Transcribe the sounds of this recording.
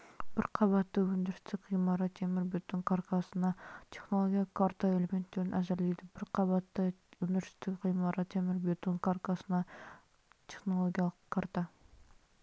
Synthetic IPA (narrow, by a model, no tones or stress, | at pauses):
b̥ɪɾqʰɑβɑt̪ːəwɵnd̪ɪɾɪst̪ɪkʲqijmɑɾɑt̪ʰemɪɾbet̪oŋkʰaɾkɑsənɑt̪ʰe̞χnolˠo̞ɡʲjɑlˠəkʰaɾt̪aelʲeme̞nt̪ːeɾɪnʔæzɪɾlejd̪ɪbɪɾqʰɑbɑt̪ːəwɵnd̪ɪɾɪst̪ɪkqijmɑɾɑt̪ʰemɪɾbet̪oŋkʰaɾkɑsənɑ | t̪ʲʰe̞χno̞lˠoɡʲijɑlˠəqkʰːaɾt̪ɑ